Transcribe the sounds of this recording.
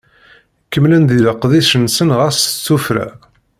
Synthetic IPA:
kəmlənd̪iləqːðiʃənːsənʁæst͡sːufɾæ̰

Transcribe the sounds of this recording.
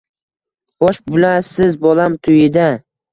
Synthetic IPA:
bɒʃbʊlasɪzbɒlamt̪ʰʊjɪd̪a

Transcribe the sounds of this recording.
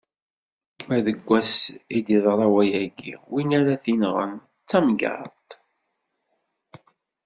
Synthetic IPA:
mæðəɡʷːæsid̪iðˤɾˤɑwæjæɡḭwinæɾæθinʁə̰n | t͡sːæmɡɑ̰ɾt̪

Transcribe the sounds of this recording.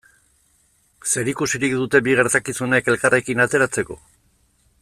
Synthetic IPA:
se̞ɾikusiɾikd̪ut̪e̞biɣ̞e̞ɾt̪akisuneke̞lkare̞kinat̪e̞ɾat͡se̞ko̞̰

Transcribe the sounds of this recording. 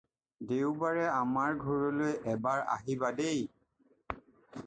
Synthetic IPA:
deʊbaɹɛamaɹɡʱɔɹɔlojʔɛbaɹa̰ɦibadej

